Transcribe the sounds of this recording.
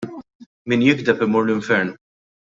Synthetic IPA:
minjɪɡd̪ɛpɪmʊːɾlʊɪɱfɛɾn

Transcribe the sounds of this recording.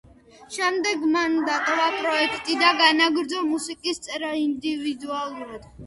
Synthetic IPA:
ʃɛmd̪ɛɡmand̪at̪ʼɔvapʼɾɔɛkʰt̪ʼid̪aɡanaɡɾd̪zɔmusikʼist̪sʼɛɾaind̪ivid̪ualˠuɾad̪̥

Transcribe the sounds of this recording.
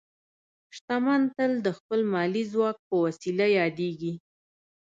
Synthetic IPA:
ʃt̪amɑnt̪əld̪əxpəlmɑlizwɑk̚pəwasilajɑd̪eɡi

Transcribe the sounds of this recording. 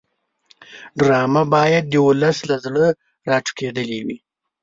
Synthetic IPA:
ɖɾɑmabɑjad̪̚ːəwulaslazɽə | ɾɑʈ͡ʂu̥ked̪əlewi

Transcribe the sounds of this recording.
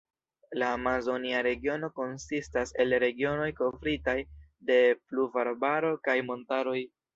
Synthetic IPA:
laːmazo̞niaɾe̞ɡio̞no̞ko̞nsistase̞lɾe̞ɡio̞no̞jko̞vɾitajde̞pluvaɾbaɾo̞kajmo̞ntaɾo̞j

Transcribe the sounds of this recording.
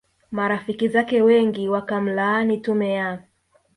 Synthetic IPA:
maɾafikizakɛwɛŋɡiwakam̩lanitumɛja

